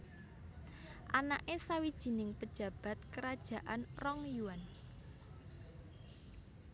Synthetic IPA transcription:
ʔanaʔesawid̥ʒ̥i̤nɪŋpəd̥ʒ̥ä̤b̥a̤t̪̚kəɾad̥ʒ̥ä̤ʔanrɔŋjuwan

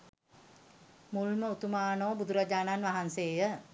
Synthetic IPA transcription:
mulməut̪umaːnoːbud̪uɾad͡ʒaːnanʋaɦanseːjə

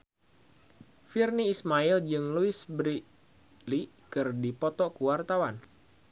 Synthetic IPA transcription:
firniːsmaild͡ʒɨŋluɪsbɾi | li | kɨrdipɔt̪ɔkuwart̪awan

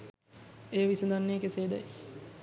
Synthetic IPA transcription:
ejəʋisud̪anːeːkeseːd̪ɛj

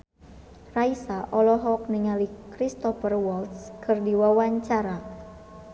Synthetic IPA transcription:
raisaʔɔlɔɦɔk̚niŋalikɾist̪ɔfərwɔlt̪skʰɨrdiwawaɲt͡ʃaɾa

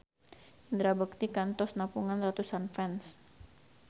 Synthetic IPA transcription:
ind̪ɾabəkt̪ikant̪ɔsnapuŋanrat̪usanfɛns

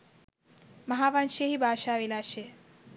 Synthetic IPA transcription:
mɐɦaʋanʃeɦibʱaːʃaːʋelaʃʰe

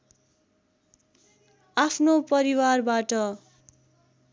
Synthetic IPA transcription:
apʰnopʌɾiwarbaʈʌ

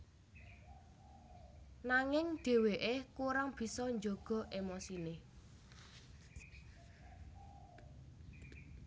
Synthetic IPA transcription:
naŋɪŋɖ̪̥e̤weʔekuɾaŋb̥i̤sɔɲd͡ʒoɡ̥ɔ̤ʔemosine

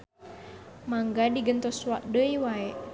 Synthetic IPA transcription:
maŋɡadiɡənt̪ɔswaʔ̚dəiwaɛʔ

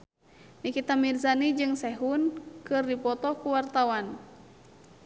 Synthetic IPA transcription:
nikit̪amirzanid͡ʒɨŋsɛɦunkɨrdipɔt̪ɔkuwart̪awan

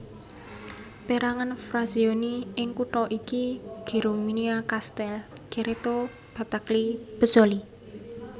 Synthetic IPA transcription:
peɾaŋanfɾazioniɪŋkuʈɔʔikiɡ̥e̤ɾominiakast̪ɛlɡ̥eɾʔet̪o | b̥a̤t̪aklib̥ə̤soli

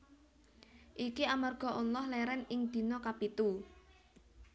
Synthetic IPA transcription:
ʔikiamarɡ̥ɔ̤ʔulːɔhlɛɾɛnɪŋd̪̥i̤nɔkapit̪u

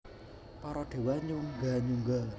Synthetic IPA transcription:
pɔɾɔɖ̪̥e̤waɲuŋɡaɲuŋɡa

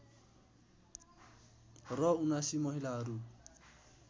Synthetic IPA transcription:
rɔunasimʌɦilaɦʌɾu

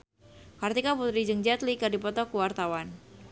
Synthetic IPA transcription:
kart̪ikaput̪ɾid͡ʒəŋd͡ʒat̪likadipɔt̪ɔkuwart̪awan

